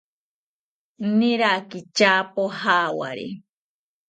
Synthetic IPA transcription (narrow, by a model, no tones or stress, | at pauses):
nnĩɾakit͡ʃapohawa̰ɾḛ